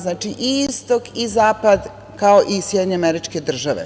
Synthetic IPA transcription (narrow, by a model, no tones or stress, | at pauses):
znaːt͡ʃiʔiist̪o̞kizaːpad̪ | kao̞ʔisjed̪ɲeameɾit͡ʃke̞d̪r̩ʒaʋḛ